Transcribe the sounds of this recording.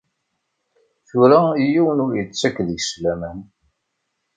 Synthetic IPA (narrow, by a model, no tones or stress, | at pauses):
θʊɾæijiwənʊɾjət͡sːækːðəʝslæmæn